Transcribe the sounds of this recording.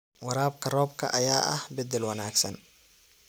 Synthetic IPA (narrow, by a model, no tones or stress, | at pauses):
wɐɾaːbkʰɐrɔːb̚kʰɐ̰ʔɐjaːʔɐ̰hbɛd̪ɛlwɐnaːɡsɐn